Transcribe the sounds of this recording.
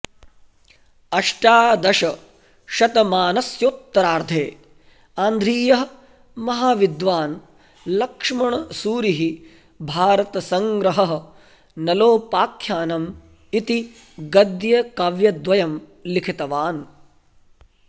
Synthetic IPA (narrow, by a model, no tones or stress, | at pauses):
ɐʂʈaːd̪ɐʃɐ | ʃɐt̪ɐmaːnɐsjoːt̪ːɐɾaːɾd̪ʱeː | aːnd̪ʱɾiːjɐɦɐ | mɐɦaːʋid̪ʋaːn | lɐkʂmɐɳɐsuːɾiɦi | bʱaːɾɐt̪ɐsɐŋɡɾɐɦɐɦɐ | nɐloːpaːkʰjaːnɐm | it̪i | ɡɐd̪jɐkɐʋjɐd̪ʋɐjɐm | likʰit̪ɐʋaːn